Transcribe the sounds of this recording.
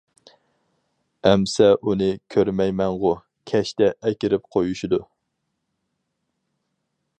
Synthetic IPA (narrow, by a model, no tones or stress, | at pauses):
ɛmsɛʔunɨkʲʰøɾmɛjmɛŋʁʊ | kʲʰɛʃt̪ɛʔɛkʲɪɾɪp̚qʰojuʃid̪u